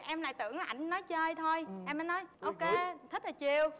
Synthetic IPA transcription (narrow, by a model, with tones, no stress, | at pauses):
ʔɛ˧mla̰ː˧˨jt̪ɨ˧˩əŋlʔa̰˧˩jŋnɔ˨˦jt͡ɕəː˧jt̪ʰo˧jʔɛ˧mːəː˨˦nɔ˨˦jʔo˧wke˧t̪ʰi̟˦˥laː˨˩t͡ɕi˧˩əw